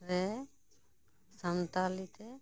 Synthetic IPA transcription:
ɾɛ | sant̪alit̪ɛ

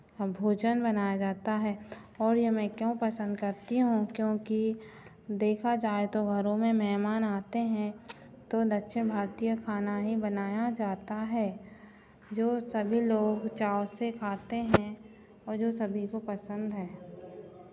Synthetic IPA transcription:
bʱoːd͡ʒənbɐnaːjad͡ʒaːt̪aɦɛːɔːɾjemɛ̃kjõːpɐsə̃nd̪kɐɾt̪iɦũkjõːki | d̪eːkʰad͡ʒaːet̪oɡʱɐɾõmẽmɛɦmaːnaːt̪eɦɛ̃ | t̪od̪ɐtːʃʰẽbʱaːɾt̪ijəkʰaːnaɦibənaːjad͡ʒaːt̪aɦɛː | d͡ʒoːsɐbʱiloːɡt͡ʃaːsekʰaːt̪eɦɛ̃ | ɔːɾd͡ʒoːsɐbʱikopɐsə̃nd̪ɦɛː

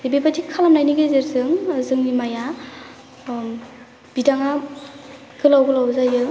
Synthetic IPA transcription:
ebebadikʰalamnajniɡezeɾzɯŋɯzɯŋnimaja | b̥idaŋa | ɡ̥ɯlawɡɯlawzajɯ

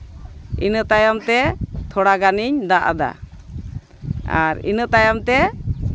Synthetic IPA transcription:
ḭnəʔt̪ajamt̪ɛt̪ʰɔɽaɡaniɲd̪aʔa̰d̪a̰ | a̰ɾḭnəʔt̪ajamt̪ɛ

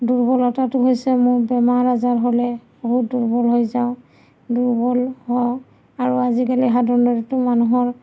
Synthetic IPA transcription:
duɹbɔlɔtatʊɦojsɛmʊɹbɛmaɹazaɹɦolɛboɦut̚duɹbɔlɦojzaʊ̃ | duɹbɔlhɔ | aɹuazikaliɦadɔndɔɹitʊmanuɦɔɹ

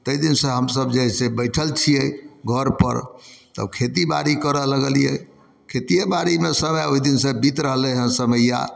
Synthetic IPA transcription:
t̪əid̪insəɦəmsəbd͡ʒeɦɛsebəjʈʰəlt͡ʃʰijɛɡʱəɾpə̰ɾt̪ə̰bkʰet̪ibaɾikəɾələɡəljɛ̰ | kʰet̪ijebaɾimesəmɛoid̪insẽbit̪ɾəɦlɛɦə̃nsəməja̰

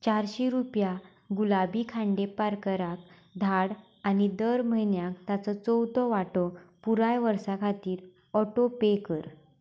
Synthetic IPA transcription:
t͡ɕaɾɕiɾupja | ɡulabiːkʰãɳɖepaɾkəɾak̚ | d̪ʱaɽ | anid̪əɾməjnjakt̪at͡sɔt͡sɔwt̪ɔʋaʈɔpuɾajʋəɾsakʰat̪iːɾ | ɔʈopekəɾ

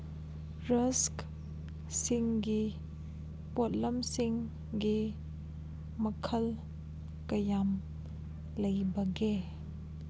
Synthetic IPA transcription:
ɾɐsk | siŋɡi | pot̚lɐmsiŋ | ɡi | mɐkʰɐl | kɐjam | lɐjbɐɡe

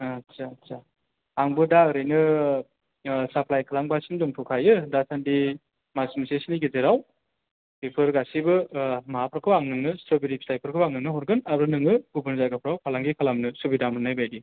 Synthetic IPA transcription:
atsa | aŋbɯdaɯɾɯjnɯ | sapʰlajkʰalaŋbasindɔŋtʰukʰajɯdasandi | masumsesiniɡezeɾaw | pipʰɯɾɡasibɯmaɦapʰɾakʰɯwaŋnɯŋnɯstɾobiɾipʰsajpʰɯɾkʰɯbaŋnɯŋnɯɦɔɾɡɯnaɾɯnɯŋɯubɯnzaɡapʰɾawkʰalaŋɡikʰalamnɯsubidamɯnajbajdi

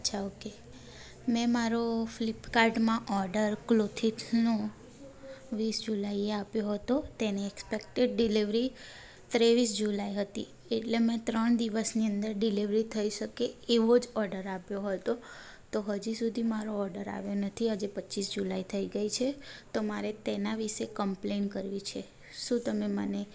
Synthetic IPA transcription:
ətʃʰaoke | mɛ̃maɾoflipkaɾɖmãʔɔɾɖəɾklot̪ʰit̪ʰno | ʋisd͡ʒulaieapjoɦət̪ot̪eneːkspekʈeɖ̚ɖiliʋɾi | t̪ɾeʋisd͡ʒulaiɦət̪ḭ | eʈlemɛ̃t̪ɾəɳ̃d̪iʋəsniənd̪əɾɖiliʋɾit̪ʰəiʃəkeːʋod͡ʒɔɾɖəɾapjoɦət̪o | t̪oɦəd͡ʒisud̪ʱimaɾoɔɾɖəɾa̰ʋjonət̪ʰiəd͡ʒepətːt͡ʃisd͡ʒulait̪ʰəiɡəit͡ʃʰet̪omaɾet̪enaʋiʃekəmplenkəɾʋit͡ʃʰe | ʃũt̪əmeməne

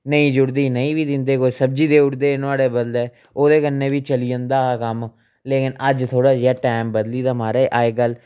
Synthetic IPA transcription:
nəĩːd͡ʒʊɽd̪iːnəĩːbiːd̪ɪnd̪eːkoːiːsəb̚d͡ʒiːd̪eːʊɽd̪eːnʊaːɽeːbəd̪leː | oːd̪eːkənːẽːbiːt͡ʃəliːə̃nd̪aːkəm | leːkɪnəd͡ʒt̪ʰoːɽaːd͡ʒaːʈaːmbəd̪liːd̪aːmaːɾaːʔaːeːɡəl

